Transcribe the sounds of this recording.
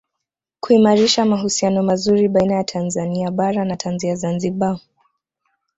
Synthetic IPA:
kuimaɾiʃamaɦusianɔmazuɾiɓainajatʰanzaniaɓaɾanatʰanziazanziɓa

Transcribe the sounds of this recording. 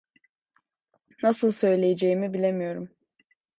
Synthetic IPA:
nasɯlˠsø̞jlʲe̞jed͡ʒe̞jimibilʲe̞mijo̞ɾum

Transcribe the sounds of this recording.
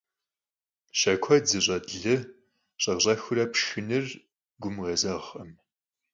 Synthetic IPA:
ʃɐkʷʰɔd͡zɨɕʼɐdɮɨ | ɕʼɐʁɕʼɐxɨrɐpʃɨnɨr | ɡʷʊmʁɐzɐʁɐm

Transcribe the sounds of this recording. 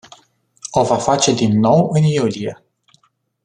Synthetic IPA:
o̞vafat͡ʃe̞d̪inːo̞wɨnjulie̞

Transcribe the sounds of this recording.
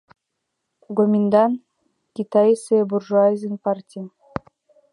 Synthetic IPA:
ɡomʲind̪an | kʲit̪aiseburʒuazʲinpartʲi

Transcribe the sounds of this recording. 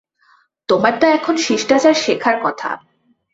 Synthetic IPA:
t̪omaɾʈaɛkʰonʃiʃʈat͡ɕaɾʃekʰaɾkɔt̪ʰa̰

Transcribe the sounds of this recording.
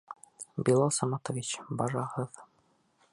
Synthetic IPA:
bʲilˠɑlˠsɑmɑt̪ovʲit͡ɕbɑɾɑʁɤð

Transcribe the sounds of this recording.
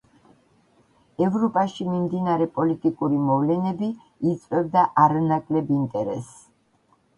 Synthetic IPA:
ɛvɾɔpʼaʃimimd̪inaɾɛpʼɔlit̪ʼikʼuɾimɔvlɛnɛbiː | t̪sʼvwɛbd̪aʔaɾanakʼlɛbint̪ʼɛɾɛ̰s

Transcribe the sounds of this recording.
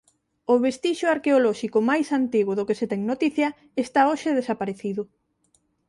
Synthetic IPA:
ʊβest̪iʃʊaɾkeolɔʃikʊmajsant̪iɣʊðokeset̪ɛŋnot̪iθjɐ | est̪aoʃeðesapaɾeθiðʊ

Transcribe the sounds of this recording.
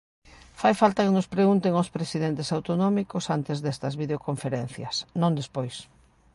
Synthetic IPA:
fajfalt̪ɐkenʊspɾeɣunt̪eŋospɾesið̞ent̪esawt̪onɔmikʊsant̪ezðɛst̪ɐzβið̞eokoɱfeɾɛn̟θjɐ̰snõnd̪espojs

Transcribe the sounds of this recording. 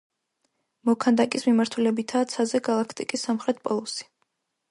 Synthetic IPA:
mɔkʰand̪akʼismimaɾt̪ʰulɛbit̪ʰaːt̪sʰazɛɡalˠakʰt̪ʼikʼisːamχɾɛt̪̚ʰpʼɔlˠusi̥

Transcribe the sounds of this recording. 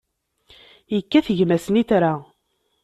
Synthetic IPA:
jəkːæθəʝmæsəniθɾa

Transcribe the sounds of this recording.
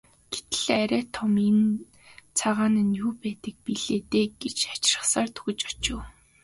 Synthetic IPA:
ɡ̥et̪̆ɮ̥eːæɾʲæːt̪ʰɔmen | t͡sʰaʁaːnĭːnjuːpæːt̪ə̆k̚piɮeːt̪eːɡ̥et͡ɕḁt͡ɕrə̥̆χsaːrt̪ʰɵ̥ɣɵ̆t͡ɕɔ̥t͡ɕʊː

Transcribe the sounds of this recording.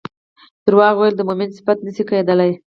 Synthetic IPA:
t̪əɾwɑɣwajld̪əmomɪnsɪ̥fat̪nəsikajed̪əlaj

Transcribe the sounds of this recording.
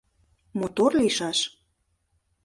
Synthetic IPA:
mot̪orliʃɑʃ

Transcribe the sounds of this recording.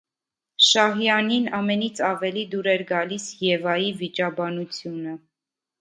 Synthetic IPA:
ʃɑɦjɑninɑmɛnit͡sʰɑvɛlid̪uɾɛɾɡɑlisjɛvɑjivit͡ʃɑbɑnut͡sʰjunə

